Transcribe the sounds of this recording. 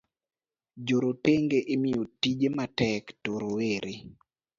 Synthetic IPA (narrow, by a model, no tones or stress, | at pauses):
d͡ʒoɾoteŋɡeʔɪmɪjotid͡ʒematɛktoɾoweɾʔe